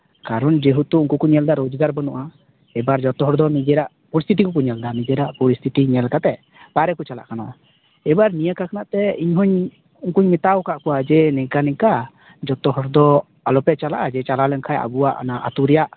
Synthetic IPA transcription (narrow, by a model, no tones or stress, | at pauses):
kaɾɔnd͡ʒeɦut̪uuŋkukuɲɛld̪aɾod͡ʒɡaɾbənɔʔa | ɛbaɾd͡ʒɔt̪ɔɦɔɾd̪ɔnid͡ʒɛɾaʔpɔɾist̪ʰiʈ̬ikɔkuɲɛld̪anid͡ʒɛɾaʔpɔɾist̪ʰiʈiɲɛlkat̪ɛ | paɾɛkut͡ʃala̰ʔkanaa | ɛbaɾnijəkakanaʔt̪ɛiɲɦɔɲ | uŋkuɲmit̪awkaʔkɔwad͡ʒɛnɛŋkanɛŋka | d͡ʒɔt̪ɔɦɔɾd̪ɔ | alɔpɛt͡ʃala̰ʔad͡ʒɛt͡ʃalalɛŋkʰaja̰buwaʔa̰naʔa̰t̪uɾɛjaʔ